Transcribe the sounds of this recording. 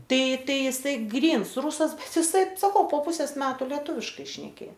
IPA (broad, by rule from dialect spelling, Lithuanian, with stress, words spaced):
ˈtɐɪ ˈtɐɪ ɪˈsɐɪ ˈɡrʲiːns ˈrʊsɐs bʲɛt ɪˈsɐɪ sɐˈkɐʊ poː ˈpʊsʲeːs ˈmʲæːtʊ lʲɛˈtuːʋʲɪʃkɐɪ ʃʲnʲɛˈkʲeː